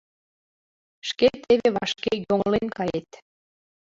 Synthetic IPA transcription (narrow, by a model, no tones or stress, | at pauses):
ʃket̪ʰːeβeβɑ̰ʃkejoŋlenkɑjet̪